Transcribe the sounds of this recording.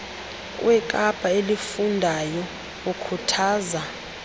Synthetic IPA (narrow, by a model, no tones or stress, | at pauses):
wʔɛkʼapʼaelifundʱajɔ | ukʰutʰaːza